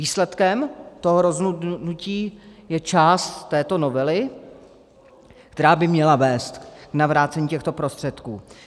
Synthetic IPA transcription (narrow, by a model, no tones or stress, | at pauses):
iːslɛt̪kɛmt̪oɦoɾo̞zɦnunuciːjɛt͡ʃaːst̪ːɛːt̪o̞no̞vɛlɪ | k̚t̪ɛɾaːbɪmɲɛlavɛːst̪knavɾaːt͡sɛɲiːcɛxt̪o̞pɾo̞st̪r̥ɛt̪kuː